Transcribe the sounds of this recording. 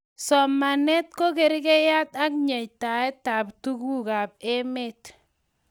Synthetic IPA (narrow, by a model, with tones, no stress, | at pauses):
sɔ˨ma˨nɛ˦t̚ko˦ke˨ɾi˦ke˦ja˦ta˦kɲe˨jta˨ɛ˦ta˨ptu˦ku˦ka˨p̚e˦me˦t